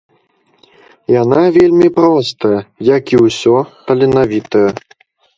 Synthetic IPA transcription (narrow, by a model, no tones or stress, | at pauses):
janavʲelʲmʲipɾɔst̪ɐjɐjakiwsʲɔt̪ɐlʲinavʲit̪ɐjɐ